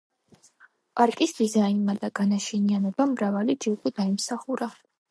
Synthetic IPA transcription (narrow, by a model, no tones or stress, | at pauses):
pʼaɾkʼisd̪̥izainmad̪aɡanaʃɛnianɔbamɾavalid͡ʒiuɡʼɔd̪aimsaχuɾa